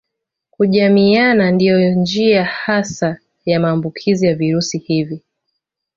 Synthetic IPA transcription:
kuʄamianandijɔnd͡ʒiahasa | jamaːmbukʰizijaviɾusihivi

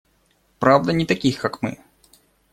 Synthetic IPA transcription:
pɾavd̪ɐnʲɪt̪ɐkʲixkɐkmɨ̰

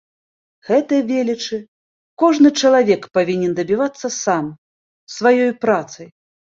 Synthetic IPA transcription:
ɣɛt̪ɨjɐvʲelʲit͡ʂɨ | kɔʐnɨt͡ʂɐlˠavʲɛkpavʲinʲɛnd̪ɐbʲivat̪sːɐsam | svajɔjpɾat̪sɐj

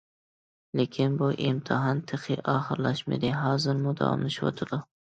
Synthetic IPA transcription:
lekʲʰɪnbʊʔɪmt̪ʰɨɦɑnt̪ʰɨχʰɪʔɑːχɨɾlaʃmḛd̪ɪɦɑːzɪɾmʊd̪ɑ̰wɑ̰mlɪʃwo̰t̪ʰɪd̪ʊ

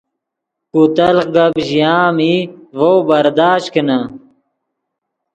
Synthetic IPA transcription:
kut̪ɐlqɡɐbʑijaːmivowbɐɾd̪aːɕkinɐ

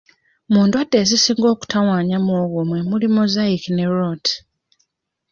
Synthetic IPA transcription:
muːndwadːe̞zisiːŋɡo̞ːku̥tawaːɲamoːɣomwe̞mulimozaikine̞ɾot

